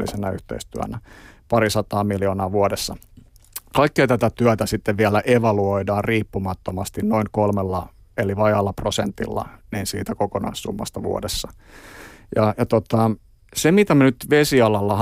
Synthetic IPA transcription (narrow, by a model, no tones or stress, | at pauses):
lḭsenæyht̪ḛist̪yæ̰næpɑɾisɑt̪ɑːmiljoːnɑːʋuodesːɑ | kɑikːiɑt̪æt̪æt̪yæt̪æsit̪ːeʋʋiælæʔeʋɑluoidɑːrriːpːumɑt̪ːomɑst̪innoiŋkolmelːɑ | eliʋɑjɑlːɑprosent̪ḭlːɑ̰niːnsiːt̪ækokonɑ̰issṵmːɑ̰st̪ɑʋṵo̰desːɑ | jɑjɑt̪ot̪ɑ | semit̪æmænyt̪ʋesiɑlɑlːɑh